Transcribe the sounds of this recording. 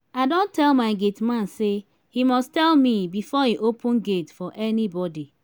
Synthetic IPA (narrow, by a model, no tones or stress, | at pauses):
aɪdõntɛlmaɪɡetmãnse | himɔstɛlmibifɔiʔopʰũnɡetfɔʔɛnibɔdi